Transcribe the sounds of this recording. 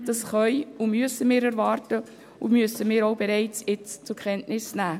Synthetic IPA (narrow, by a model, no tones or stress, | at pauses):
d̥ɑsχœʏʊmyəsəmɪːɾæɾvɑːrtə | ʊmyəsəmɪːɾowbeɾɛɪt͡sjɪt͡st͡sʊkʰχɛntnɪsnæː